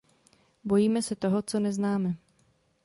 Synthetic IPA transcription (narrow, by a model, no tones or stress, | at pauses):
bo̞jiːmɛsɛt̪o̞ɦo̞t͡so̞nɛznaːmɛ